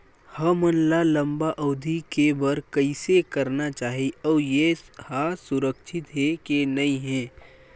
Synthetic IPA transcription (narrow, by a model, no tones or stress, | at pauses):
hɐmənlalɐ̃mbaʔɔːd̪ʱikebɐɾkɐɪsekɐɾnat͡ʃaːɦiɔːɾjehasʊɾəkʃʰɪt̪ɦɛkenɐĩɦɛ̃ː